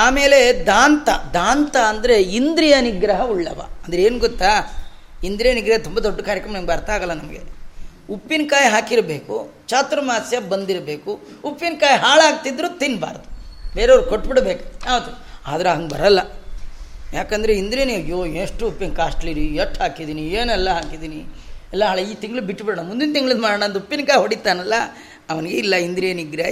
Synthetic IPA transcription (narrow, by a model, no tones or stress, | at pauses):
aːme̞ːle̞d̪aːnt̪ɐ̰d̪aːnt̪ɐɐnd̪ɐɾe̞ind̪ɾijɐniɡɾɐɦɐuɭːɐ̰ʋa̰ːɐnd̪ɐɾeeːnuɡot̪ːaː | ind̪ɾijɐniɡɾɐɦɐt̪umbɐd̪oɖːkaːɾjɐkɾɐmnɐmɐɡɐɾt̪aːɡɐlːɐnɐmɐɡḛupːinkaːjɦaːkiɾbe̞ːku | t͡ʃaːt̪uɾɐmaːsjɐbɐnd̪iɾbe̞ːku | upːinkaːjɦaːɭaːɡ̚t̪id̪ɾuːt̪inba̰ːɾd̪ubeːɾeʋɐɾukoʈːbiɽbeːkjaːʋɐt̪ːu | a̰ːd̪ɐɾeɐŋɡbɐ̰ɾɐlːɐ | jaːkɐnd̪ɾeind̪ɾieːnɐjːoːeːnʂʈuupːinkaːʂʈɐliɾieʈhaːkid̪iːnieːnɛlːɐɦaːkid̪iːniɛlːɐɦaːɭiːt̪iŋɡɐɭubiʈːbiɽɐɳɐmund̪int̪iŋɡɐɭinmaːɽɐːɳɐnd̪uupːinkaːjɦoɽit̪ːaːnɐlːɐ | ɐʋɐnɡeilːɐind̪ɾjeːniɡɾe